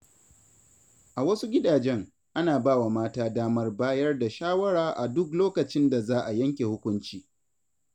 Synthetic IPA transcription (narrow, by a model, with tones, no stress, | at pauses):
ʔa˨wɐ˦su˦ɡʲɪ˦daː˨d͡ʒɛ˦ŋ | ʔa˦naː˨baː˦˨wa˨maː˦taː˦daː˦mɐ˦rbaː˦jɐ˦rda˨ʃaː˦wɐ˦ɽaː˨ʔa˨dʊ˦k̬loː˦kɐ˨t͡ʃɪ˦nda˨zaː˦ʔa˨jɐ˦ŋkʲe˨hʊ˦kʷʊ˦nt͡ʃiː˦